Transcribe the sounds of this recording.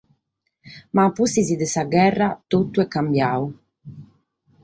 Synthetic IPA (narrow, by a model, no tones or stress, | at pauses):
mapusizid̪ɛsaɡɛrːat̪ot̪ːuɛkːambjaːu